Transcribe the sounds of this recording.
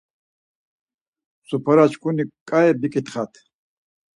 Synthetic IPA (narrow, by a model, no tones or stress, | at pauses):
supɐɾat͡ɕkunikʼajebikit̪χat̪ʰ